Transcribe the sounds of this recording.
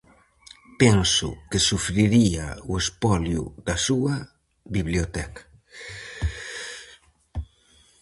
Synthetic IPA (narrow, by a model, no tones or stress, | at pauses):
pɛnsʊ̰kɪsufɾiɾia̰uespɔljuðɐsuɐ | biβliot̪ɛkḁ